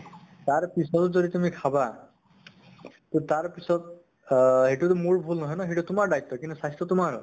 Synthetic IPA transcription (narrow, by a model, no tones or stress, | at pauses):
t̪aɹpisɔt̪ɔzɔd̪it̪umikʰaba | t̪ot̪aɹpisɔt̪̚ | heʈut̪ɔmoɹbʱulnɔɦɔjnɔɦeʈut̪umaɹɖajt̪ːɔkint̪usast̪ɔt̪umaɹɔ